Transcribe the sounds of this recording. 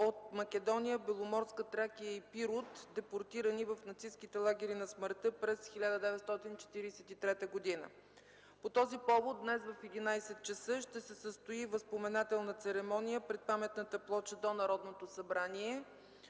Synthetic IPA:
ot̪mɐkɛd̪ɔnijəbɛlˠomɔɾskət̪ɾakijəipiɾot̪d̪ɛpoɾt̪iɾənivəfnɐt̪siskit̪ɛlˠaɡ̟ʲɛɾinɐsməɾt̪ɤpɾɛsxilʲad̪əd̪ɛvɛt̪st̪ɔt̪int͡ʃɛ̥t̪iɾisɛt̪it̪ɾɛt̪əɡod̪inə̰ | pot̪ɔzipɔvot̪̚d̪nɛsvəfɛd̪inajsɛt̪̚t͡ʃəsɤʃt̪ɛsɛsəst̪oivəspomɛnat̪ɛlˠnət̪sɛɾɛmɔnijəpɾɛt̪̚pamɛt̪nət̪əplˠɔt͡ʃəd̪onɐɾɔd̪not̪osɐbɾaniɛ

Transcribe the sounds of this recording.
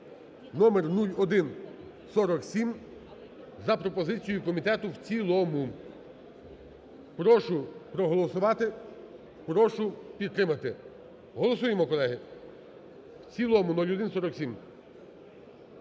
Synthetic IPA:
nɔmernulʲɔd̪ɪn | sɔɾɔksʲim | zɐpɾɔpɔzɪt͡sʲijʊkɔmʲit̪ɛt̪ʊwt͡sʲilˠɔmʊ | pɾɔʃʊpɾɔɦɔlˠɔsʊʋɑt̪ɪ | pɾɔʃʊpʲid̪t̪ɾɪmɐt̪ɪ | ɦɔlˠɔsujemɔkɔlˠɛɦɪ | wt͡sʲilˠɔmʊnulʲɔd̪ɪnsɔɾɔksʲim

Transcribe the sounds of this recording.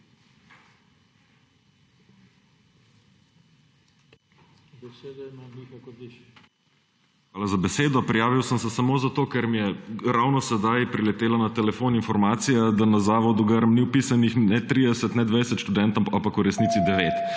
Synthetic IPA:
ikk | xʋaːlazabɛseːd̪ɔpɾijaːʋiwsəmsɛsamoːzat̪oːkɛɾmijɛɾawnɔsɛd̪ajpɾilɛt̪eːlanat̪ɛlɛfoninfɔɾmaːt̪sijad̪anazaːʋɔd̪uɡəɾmniwpisanixnɛt̪ɾid̪ɛsət̪nɛd̪ʋɛjsɛt̪ʃt̪ud̪ɛnt̪ampakuɾɛsniːtsid̪ɛʋeːt̪

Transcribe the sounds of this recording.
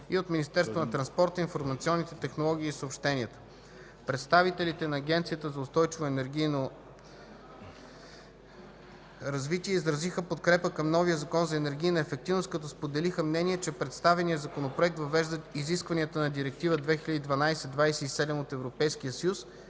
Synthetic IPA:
iot̪minist̪ɛɾst̪vonɐt̪ɾɐnspɔɾt̪əinfoɾmɐt̪siɔnːit̪ɛt̪ɛxnolˠɔɡ̟ʲiːsopʃt̪ɛniət̪ə̥ | pɾɛt̪st̪avit̪ɛlit̪ɛnɐːɡʲɛnt̪sijət̪əzɐʊst̪ɔjt͡ʃivoɛnɛɾɡʲijno | ɾɐzvit̪iɛizɾɐzixəpot̪kɾɛpəkəmnɔvijəzɐkɔnzɐɛnɛɾɡ̟ʲiːnɐɛfɛk̚t̪ivnost̪kɐt̪ɔspod̪ɛlixəmnɛnʲiɛt͡ʃɛpɾɛt̪st̪avɛniəzɐkonopɾoɛk̚t̪vɐvɛʒd̪ət̪iziskvɐniət̪ənɐd̪iɾɛk̚t̪ivəd̪vɛxilʲəd̪id̪vɐnajsɛd̪vajsɛisɛd̪ɛmot̪ɛvɾopɛjskiəsəjus

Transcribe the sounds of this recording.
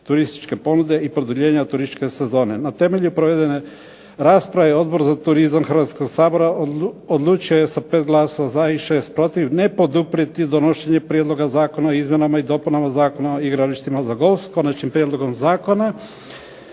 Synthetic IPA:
t̪uɾist̪i̥t͡ʃke̞po̞nud̪e̞ipɾod̪uʎe̞ːɲat̪uɾist̪i̥t͡ʃke̞se̞zo̞ːne̞nat̪e̞me̞ʎupɾoʋed̪e̞ne | ɾaːspɾaʋeo̞d̪̚bo̞ɾzat̪uɾizamxrʋat̪sko̞ɡsaːbo̞ɾaod̪lˠuːt͡ʃioje̞sapeːt̪̚ɡlˠaːsoʋazaiʃe̞ːst̪̚pɾo̞t̪iʋnepo̞d̪upɾiet̪id̪onoʃeɲepɾʲijed̪lˠo̞ɡazaːko̞naoizmʲje̞namaid̪o̞punamazaːkonaoiɡɾaliʃt̪imazaɡo̞lsko̞nat͡ʃɲimpɾjed̪lo̞ɡo̞mzaːko̞na

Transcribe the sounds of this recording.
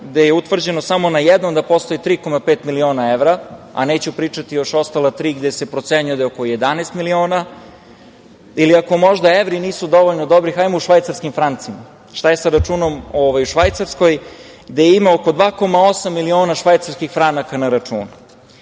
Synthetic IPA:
ɡd̪ejeut̪ʋr̩d͡ʑe̞nosamo̞najed̪nomd̪apo̞st̪o̞jit̪ɾiːko̞mapeːt̪milio̞ːnaeʋɾaa̰ne̞ːt͡ɕupɾiːt͡ʂat̪ijo̞ʃo̞st̪alat̪ɾiːɡd̪esepɾo̞t̪seɲujed̪aokoje̞d̪anɛjst̪milio̞ːna | iliako̞mo̞ʒd̪aeʋɾiniːsud̪o̞ʋo̞ʎnod̪o̞bɾixajmouʃʋajt̪saɾskimfɾant̪sima | ʃt̪ajesaɾat͡ʃuːno̞moʋajuʃʋajt̪saɾsko̞j | ɡd̪ejeimaoko̞d̪ʋaːko̞mao̞samːilio̞ːnaʃʋajt̪saɾskixfɾanakanaɾat͡ʂṵːn

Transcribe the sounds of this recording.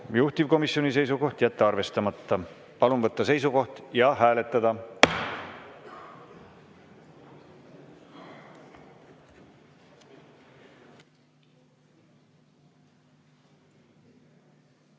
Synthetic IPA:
juht̪iv̥ko̞misjo̞nʲise̞jsuko̞ht̪jæt̪ːeɑrve̞st̪ɑmɑt̪ːɑ | pɑlunvɤt̪ːɑse̞js̬uko̞ht̪jɑɦæːle̞t̪ːˑɑd̪̥ɑ

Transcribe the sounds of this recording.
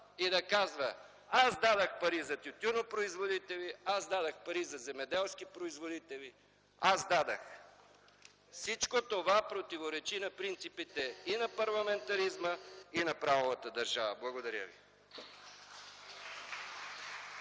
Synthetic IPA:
id̪ɐkazvə | azd̪ad̪əxpɐɾizɐt̪jʊt̪ʲuɾnopɾoizvod̪it̪ɛliazd̪ad̪əxpɐɾizɐzɛmɛd̪ɛlˠskipɾoizvod̪it̪ɛli | azd̪ad̪ɐx | fsit͡ʃkot̪ovapɾot̪ivoɾɛt͡ʃinɐpɾint̪sipit̪ɛinɐpɐɾlˠɐmɛnt̪ɐɾizməinɐpɾavovɐt̪əd̪ɐɾʒavəblˠɐɡod̪ɐɾʲjə̰vḭ

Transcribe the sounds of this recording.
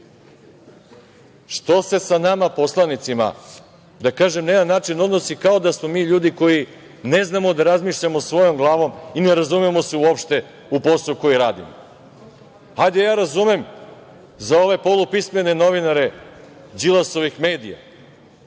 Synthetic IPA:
ʃt̪o̞se̞sanamapo̞slˠanit̪sima̰ | d̪akaːʒe̞mneːd̪anːaːt͡ʃino̞d̪no̞sikao̞d̪asmo̞miːʎuːd̪iko̞ji | ne̞znamod̪aɾazmiːʃʎamo̞sʋo̞jo̞mɡlˠaːʋo̞mineɾazumemo̞seuopʃt̪e̞ | upo̞suko̞jiɾaːd̪ḭmo | ajd̪ejaːɾazume̞m | zao̞ʋe̞polˠupisme̞ne̞no̞ʋinaɾe̞ | d͡ʒilˠaso̞ʋixme̞ːd̪ija̰

